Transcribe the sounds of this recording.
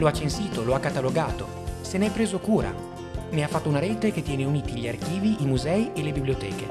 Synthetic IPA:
loat͡ʃːensiːt̪oloakːat̪aloɡaːt̪o | seneɛpːɾeːzokuːɾa̰ | neafːat̪ːounaɾeːt̪eket̪ːjɛːneuniːt̪iʎiark̟iːviʔimuzɛːielebiblijot̪ɛ̰ːke

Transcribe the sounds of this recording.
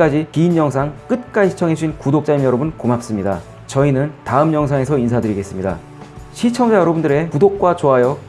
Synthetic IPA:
ad͡ʑikiːnjʌŋs̬ʰaŋk͈ɯt̚k͈ad͡ʑiɕʰi̥t͡ɕʰʌŋɦes͈ʰuinkudok̚t͡ɕ͈aɲimjʌɾʌbunkomap̚s͈ɯmɲida | t͡ɕʌinɯntaɯmɲʌŋsʰaŋe̞sʰʌinsʰadɯɾiɡe̞s͈ɯmɲida̰ | ɕʰit͡ɕʰʌŋd͡ʑajʌɾʌbundɯɾe̞kudok̚k͈wat͡ɕoɦajʌ

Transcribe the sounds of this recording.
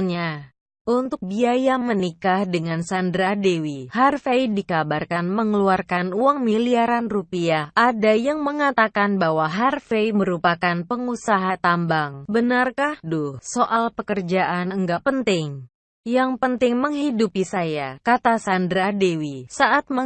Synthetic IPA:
ɲa | ʔunt̪ʊk̚biajamənikahdəŋansandɾadewiharfejdikabarkanməŋəluarkanuaŋmiliaɾanrupiahʔadajaŋməŋat̪akanbaɦwaɦarfejməɾupakanpəŋusaɦat̪ambaŋbənarkahdʊhsoʔalpəkərd͡ʒaʔanəŋɡaʔpənt̪ɪŋ | jaŋpənt̪ɪŋməŋɦidupisajakat̪asandɾadewisaʔat̪̚mə

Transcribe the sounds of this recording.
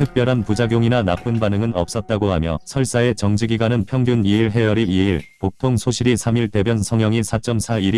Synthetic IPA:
tʰɯk̚p͈jʌɾɦanpud͡ʑaɡjoŋinana̰p͈ɯnbanɯŋɯnʌ̰p̚s͈ʌt̚t͈aɡohamjʌ̰sʰʌɭs͈ae̞t͡ɕʌŋd͡ʑiɡiɡwanɯnpʰjʌŋɡjuniiɭɦe̞jʌɾiiiɭpok̚tʰoŋsʰoɕʰiɾisʰamiɭte̞bjʌnsʰʌŋɦjʌŋisʰat͡ɕ͈ʌmsʰaiɾi

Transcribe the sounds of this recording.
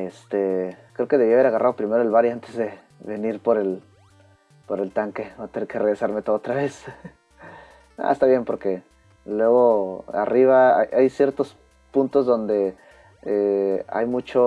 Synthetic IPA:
est̪ekɾeokeð̞e̞βiaβe̞ɾaɣarʔaðo̞pɾime̞ɾo̞e̞lβaɾiant̪e̞zðe̞ | βe̞niɾpo̞ɾe̞l | po̞ɾe̞lt̪aŋkeβat̪enekereɣɾesaɾme̞t̪o̞ðoot̪ɾaβe̞s | a̰est̪aβje̞npo̞ɾke̞ | lwe̞ɣ̞o̞a̰riβaa̰jʔajsje̞ɾt̪o̞s | punt̪o̞zðo̞nd̪e̞ | ea̰jmut͡ʃo

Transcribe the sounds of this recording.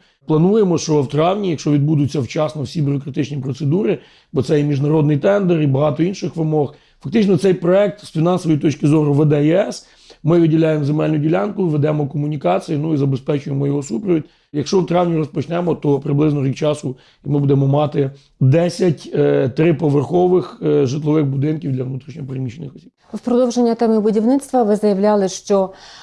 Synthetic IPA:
plˠɐnujemɔʃt͡ʃɔwt̪ɾɑwnʲijɐkʃɔʋʲid̪bud̪ʊt͡sʲːɐwt͡ʃɑsnɔwsʲibʲʊɾɔkɾɐt̪ɪt͡ʃnʲipɾɔt̪sed̪uɾɪ | bɔt̪sɛjɛmʲiʒnɐɾɔd̪nɪjt̪ɛnd̪eɾibɐɦɑt̪ɔinʃɪxʋɪmɔx | fɐk̚t̪ɪt͡ʃnɔt̪sɛjpɾɔɛk̚t̪sfʲinɑnsɔʋjit̪ɔt͡ʃkɪzɔɾʊʋed̪ɛjɛs | mɪʋɪdʲilʲajemzemɛlʲnʲʊdʲilʲɑnkʊʋed̪ɛmɔkɔmʊnʲikɑt͡sʲijinuizɐbespɛt͡ʃʊjemɔjɔɦɔsupɾɔʋʲid̪ʲ | jɐkʃt͡ʃɔwt̪ɾɑʋnʲiɾɔspɔt͡ʃnɛmɔt̪ɔpɾɪblˠɪznɔɾʲikt͡ʃɑsʊ | imɪbud̪ɛmɔmɑt̪ɪ | d̪ɛsʲɐtʲːt̪ɾɪpɔʋerxɔʋɪxʒɪt̪lˠɔʋɪxbʊd̪ɪnkʲiwd̪lʲɐʋnut̪ɾʲiʃɲʲɔpɾɪmit͡ʃenɪxɔ̥sʲib | wpɾɔd̪ɔwʒenʲːɐt̪ɛmɪbʊdʲiʋnɪt̪st̪ʋɐʋɪzɐjɐʋlʲɑlˠɪʃt͡ʃɔ

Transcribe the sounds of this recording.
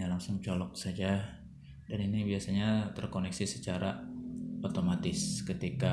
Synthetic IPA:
alaŋsʊŋt͡ʃɔlɔk̚sad͡ʒa | daninibiasaɲat̪ərkonɛksisət͡ʃaɾa | ot̪omat̪ɪskət̪ika

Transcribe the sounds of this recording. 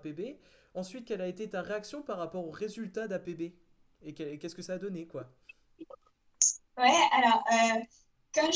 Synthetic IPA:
pebeɑ̃sɥit̪̚kʲɛlaet̪et̪aʁeaksjɔ̃paʁːapɔʁoʁezylt̪ad̪apebe | ekɛlkʲɛskəsaːd̪ɔnekwa | wɛalɔʁø | kɑ̃ʒ

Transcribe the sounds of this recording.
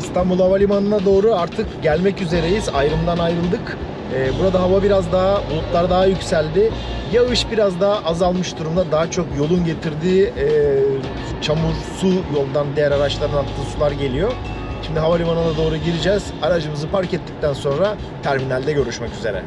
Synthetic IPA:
ist̪ambulˠhavalʲimanɯnˠad̪o̞ːɾuaɾt̪ʰɯkɟælʲmɛcyze̞ɾe̞jizajɾɯmd̪anajɾɯlˠd̪ɯk | ɛːbuɾad̪aɦavabiɾazd̪aɦbulˠup̪lˠaɾd̪aɦajycsælʲd̪ɪ | jaɯʃbiɾazd̪aʔazalˠmɯʃd̪uɾumd̪ad̪aɦat͡ʃʰo̞kjo̞lˠunɟe̞t̪ʰiɾd̪i | t͡ʃʰamuɾsujo̞lˠd̪and̪ijæɾaɾat͡ʃlˠaɾɯnat̪ʰːɯːsulˠaɾɟe̞lʲijo̞ | ʃimd̪iɦavalʲimanɯnˠad̪o̞ːɾuɟiɾid͡ʒɛz̥aɾad͡ʒɯmɯzɯpaɾcɛt̪ʰːi̥c̚t̪ʰænso̞nɾa | t̪ʰæɾminælʲd̪ɛɟø̞ɾyʃmɛcyze̞̰ɾɛ̰

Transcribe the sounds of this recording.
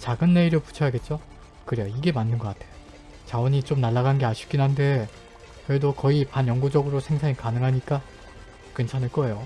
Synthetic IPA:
t͡ɕaɡɯnːe̞iɾopu̥t͡ɕʰʌjaɡe̞t̚t͡ɕ͈o | kɯɾejoiɡe̞manːɯnɡʌk͈atʰe̞jo | t͡ɕawʌɲit͡ɕ͈omnaɭːaɡanɡe̞aɕʰi̥k͈inɦande̞ | kʌdokʌipanjʌŋɡud͡ʑʌɡɯɾosʰe̞ŋsʰaɲikanɯŋɦaɲik͈a | kent͡ɕʰanɯɭk͈ʌe̞jo

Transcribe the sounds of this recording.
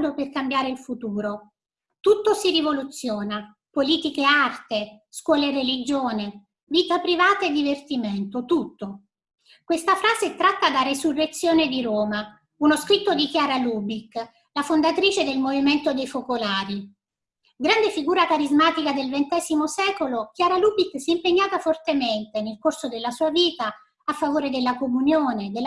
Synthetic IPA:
d̪operkambjaːɾeilfut̪uːɾo | t̪ut̪ːosirivolut̪sːjoːna | poliːt̪ikeart̪eskwɔːlerelid͡ʒoːne | viːt̪apɾivaːt̪aed̪ːivert̪iment̪ot̪ut̪ːo | kwest̪afɾaːzet̪ɾat̪ːad̪aɾesurːet̪sːjoːned̪iɾoːma | unoskɾit̪ːod̪ikjaːɾalubikː | lafond̪at̪ɾiːt͡ʃed̪elmoviment̪od̪ejfokolaːɾi | ɡɾand̪efiɡuːɾakaɾizmaːt̪ikad̪elvent̪ɛːzimosɛːkolok̟jaːɾaluːbikːsɛimpeɲːaːt̪afort̪ement̪enelkorsod̪elːasuːaviːt̪aː | fːavoːɾed̪elːakomunjoːned̪el

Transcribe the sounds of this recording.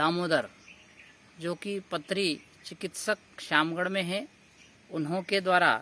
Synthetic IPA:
d̪aːmoːd̪əɾ | d͡ʒoːkipɐt̪ːɾi | t͡ʃɪkɪt̪səkʃaːmɡəɽmẽɦɛ̃ | ʊnɦõked̪waːɾa̰

